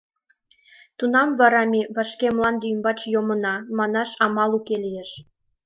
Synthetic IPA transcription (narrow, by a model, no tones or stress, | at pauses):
t̪unɑmvɑɾɑmʲeβɑʃkemlɑnd̪ymbɑt͡ɕjomɤnɑmɑnɑʃɑmɑlˠukelijeʃ